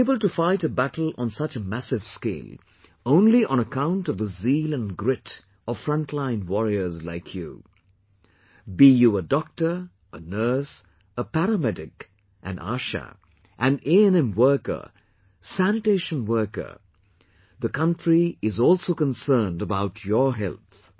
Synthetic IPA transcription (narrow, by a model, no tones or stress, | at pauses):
eɪbəlˠtɨfaɪɾɨbæɾl̩ˠə̃n̩sʌt͡ʃəmæsɨv̥skḛɪlˠ | õʊ̃nliʔə̃ñəkʰãʊ̃ntʌvðəziːlˠə̃nɡɹɪɾ | əv̥fɹʌ̃ntʰlãɪ̃nwɔɹiə˞zlaɪkʰjṵ | bijəədɔk̚tə˞ | ənɜ˞s | əpæɾəmɛdɪk | ʔɨ̰̃na̰ʃə̰ | ʔɨ̃neɛ̃nɛ̃mwɜ˞kə̰˞ | sænɨteɪʃə̃nwɜ˞kə̰˞ | ðəkʰʌ̃ntɹ̥iɪzɔlˠsoʊkə̃nsɜ˞ndəbaʊt͡ʃʰjə˞ɦɛ̰lˠθ